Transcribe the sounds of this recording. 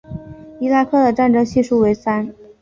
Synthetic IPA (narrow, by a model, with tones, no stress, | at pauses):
i˥la˥˧kʰɤ˥˩d̪ə˩ʈ͡ʂa˥˩nʈ͡ʂɤ˥ŋɕi˥˧ʂu˥˩we˧˥ɪsa˥n